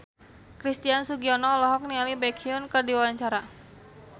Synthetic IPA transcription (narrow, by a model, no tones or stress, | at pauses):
kɾist̪iansuɡiɔnɔːlɔɦɔk̚nialibɛkʰiʊnkɨrdiwawaɲt͡ʃaɾa